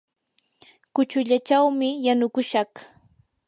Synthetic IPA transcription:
kʊt͡ʃʊʎat͡ʃawmɪjanʊkʊʃɑχ

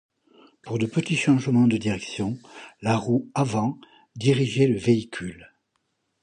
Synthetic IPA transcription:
puʁd̪əpət̪iʃɑ̃ʒmɑ̃d̪əd̪iʁɛksjɔ̃laʁuavɑ̃ | d̪iʁiʒeləveikʰʲyl

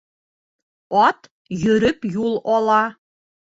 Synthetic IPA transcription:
ɑt̪ | jɵ̆ɾɘpjulˠɒlˠɑ

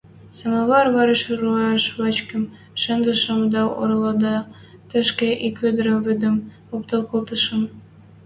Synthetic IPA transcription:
sɑmɑβɑrβɑɾĕʃrueʃβɑt͡ɕkɘ̆m | ʃɘ̆nd̪ə̆ʃɤ̆md̪ɑo̰ɾɤ̆lˠɑd̪ɑ | t̪ɘ̆ʃkĕʔikød̪ɘ̆ɾɘ̆mvyd̪ə̆m | okt̪ɤlˠkolt̪ɤ̆ʃɤ̆m

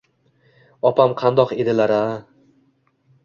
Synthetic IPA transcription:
ɒpʰamqʰɑnd̪ɒqed̪ɪlaɾa

